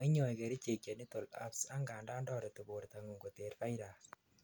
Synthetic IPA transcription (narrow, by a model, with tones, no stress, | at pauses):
ɪ˦ɲɔ˨jkɛ˨ɾi˦t͡ʃe˨kja˨ni˦t̪o˨la̰˦psa˦ŋɡaː˨nda˦ndɔ˦ɾe˨tu˨bo˨ɾt̪a˨ŋu˨ŋɡo˨te˨ɾfa˦ɾa˨